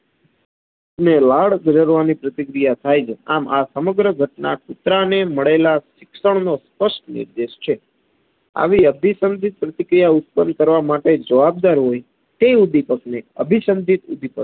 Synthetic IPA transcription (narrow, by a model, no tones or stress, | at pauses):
nelaɽd͡ʒʱəɾəɾʋanipɾət̪ikɾijat̪ʰajd͡ʒʰa̰masəməɡɾəɡʱəʈnakut̪ɾaneməɭelaʃɪkʃəɳnospəʃʈnɪ̰ɾd̪eʃt͡ʃʰe | a̰ʋiəbʱisənd̪ʱit̪̚pɾət̪ikɾijaʊt̪̚pənkəɾʋamaʈed͡ʒəʋab̚d̪aɾɦoj | t̪eud̪ipəkneə̰bʱisənd̪ʱit̪ṵd̪ʱipə